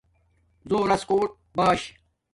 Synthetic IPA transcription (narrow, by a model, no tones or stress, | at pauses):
zoːɾɐskoːʈ̚ | baːɕ